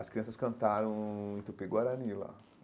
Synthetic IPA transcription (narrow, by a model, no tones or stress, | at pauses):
ɐskɾiɐ̃sɐskɐ̃nt̪aɾɐ̃w̃ẽt̪upeɡwaɾɐnilɐ̰